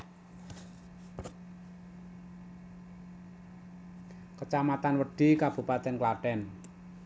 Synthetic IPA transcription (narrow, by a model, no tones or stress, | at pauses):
kət͡ʃamat̪anwəɖ̥i̤kab̥ṳpat̪ɛnklaɖ̥ɛn